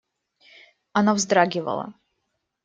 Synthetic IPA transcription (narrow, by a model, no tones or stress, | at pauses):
ɐnavzd̪ɾaɡʲɪvə̰lˠɐ̰